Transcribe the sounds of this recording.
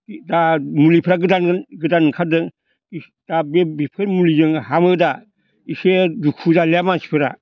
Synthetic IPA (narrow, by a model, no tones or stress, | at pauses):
damulipʰɾaɡɯdanɡɯdankʰadɯŋ | d̥abebipʰɯɾmulizɯŋhamɯda | isedukʰudaleamansi̥pʰɯɾa̰